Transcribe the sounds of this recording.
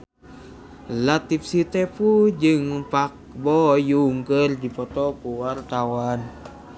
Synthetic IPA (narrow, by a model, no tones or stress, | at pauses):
lat̪ip̚sit̪ɛpud͡ʒɨŋpak̚ | bɔjuŋkərdipɔt̪ɔkuwart̪awan